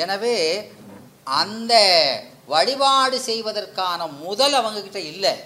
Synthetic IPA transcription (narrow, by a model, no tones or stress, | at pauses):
ɛnɐʋeː | ʔɐnd̪ɐ | ʋɐɻɪbaːɽɯsɛjʋɐðɐrkaːnɐmʊðɐlɐʋɐŋɡɐkɪʈːɐɪlːɐ